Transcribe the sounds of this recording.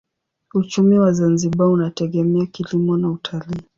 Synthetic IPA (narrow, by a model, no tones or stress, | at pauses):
ut͡ʃumiwazanziɓaunatɛɠɛmɛakilimɔnautʰaliː